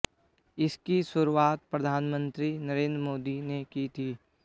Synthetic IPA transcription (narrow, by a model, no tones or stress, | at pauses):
ɪskisʊɾuaːt̪̚pɾɐd̪ʱaːnmə̃nt̪ɾinəɾẽːnd̪ɾəmoːd̪inekit̪ʰiː